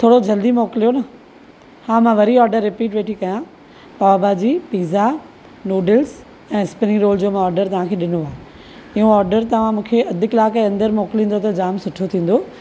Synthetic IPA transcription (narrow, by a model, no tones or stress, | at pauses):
t̪ʰoːɽod͡ʑɐld̪imoːkɪlijonɐ | hãːmãʋɐɾiɔːɾɖəɾːɪpiːʈʋeːʈʰikɐjã | paabaːd͡ʑiːpiːza | noːɖɪls | ɛ̃ːspɪniɾoːld͡ʑoːmãɔːɾɖəɾt̪ɐʋ̤ãkʰeːɗɪnoaːɦe | ɪɦõɔːɾɖəɾt̪ɐʋ̤ãmũːkʰeʔɐd̪ʱɪkɪlaːkeɐ̃nd̪əɾmoːkɪlĩːn̆d̪ot̪ɐd͡ʑaːmsʊʈʰot̪ʰĩːn̆d̪oː